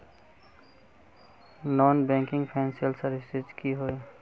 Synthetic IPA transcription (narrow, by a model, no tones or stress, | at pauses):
nɔːnbɛ̃ŋkɪŋɡpʰɛnseəlsəɾɪsed͡ʒkiɦoe